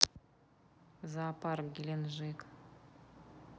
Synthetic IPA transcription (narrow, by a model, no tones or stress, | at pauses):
zɑpɑrɡʲilʲenʒek